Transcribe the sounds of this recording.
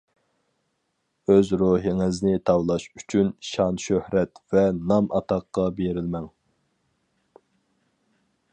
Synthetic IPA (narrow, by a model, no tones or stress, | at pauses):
øzɾoɦiŋɪznɪt̪ʰɑwlˠɑʃy̥t͡ʃʰynʃɑnʃøhɾɛt̪vɛnɑmʔɑt̪ʰɑqːɑbeɾɪlmɛŋ